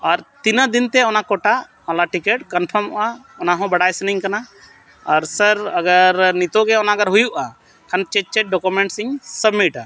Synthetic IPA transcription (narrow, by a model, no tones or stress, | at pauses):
aɾt̪inad̪int̪ɛɔnakɔʈa | alaʈikɛʈkənpʰəɾmɔ̰ʔaɔnaɦɔ̃bəɽajsəniɲkana | aɾsəɾəɡəɾnit̪ɔɡɛɔnaɡəɾɦujuʔa | kʰant͡ʃɛt͡ʃɛʈ̚ɖɔkumɛɳʈsiɲsəbmiʈa